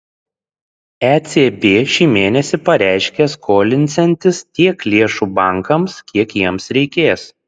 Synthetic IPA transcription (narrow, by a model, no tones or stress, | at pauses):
æt̪sʲebʲeːʃʲiːmʲeːnʲɛsʲɪpɐɾʲæˑɪʃʲkʲeskʰoːlʲɪnʲt̪sʲɛnʲt̪ʲɪst̪ʲiɛklʲeɛʃuːbɐˑŋkɐmskʲiɛkjiɛmsɾʲɛɪkʲeːs